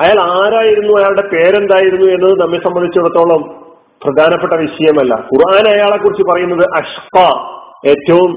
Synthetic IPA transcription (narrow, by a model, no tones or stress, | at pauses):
ɐjaːɭaːɾaːjiɾunːuɐjaːɭuɽe̞pe̞ːɾend̪aːjiɾunːue̞nːɐðɨnɐmːesɐmbɐnd̪it͡ɕːuɽɐt̪ːo̞ːɭɐm | prɐd̪ʱaːnɐpːe̞ʈːɐʋiɕɐjɐmɐlːɐ̰kurʔaːnɐjaːɭekːurit͡ɕːɨpɐrɐjunːɐðɨʔɐɕqɑe̞ːtːɐʋum